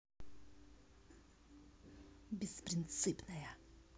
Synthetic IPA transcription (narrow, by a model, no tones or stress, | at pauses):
bʲɪspɾʲɪnt̪sɨpnɐjɐ